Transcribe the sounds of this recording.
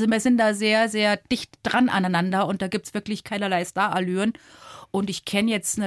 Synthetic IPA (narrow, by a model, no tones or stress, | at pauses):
zoviːɐzɪntd̥aːzeːɐzeːɐd̥ɪçtd̥ʁanʔa̰naɪnandɐʊnt̚d̥aːɡiːp̚tsv̥ɪɐklɪçkʰaɪnɐlaɪstaːɐʔalyːənʔʊntɪçkʰɛnəjɛt͡stnə